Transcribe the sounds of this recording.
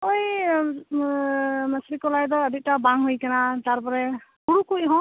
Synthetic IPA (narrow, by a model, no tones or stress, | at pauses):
oj | masɾikɔlajdɔːdik̚tabaŋɦujkanataɹpɔɹɛkuɹukujɦɔ̃